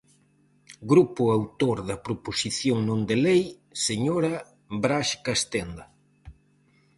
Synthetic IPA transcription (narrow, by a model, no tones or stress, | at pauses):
ɡɾupʊawt̪oɾðɐpɾoposiθjoŋnõnd̪elej | seɲoɾɐ | bɾaʃkast̪end̪ɐ